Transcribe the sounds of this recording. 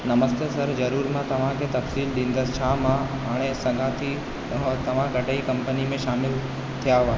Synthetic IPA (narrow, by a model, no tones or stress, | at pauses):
nɐməst̪esɐɾzɐɾuːɾmãt̪ɐʋ̤ãkʰet̪ɐfsiːlɗĩːnd̪əst͡ɕʰaːmã | ɦaːɽ̃esɐɡʱãt̪ʰi | t̪ɐʋ̤ãkɐʈəikɐ̃mpənimẽʃaːmɪl | t̪ʰijaaːɦ